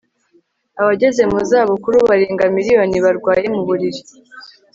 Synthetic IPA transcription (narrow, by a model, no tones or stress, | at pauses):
aβaɟe̞ze̞muzaːβokuɾuβaɾeːŋɡamiɾijo̞niβaɾɡwaːje̞muβuɾiɾi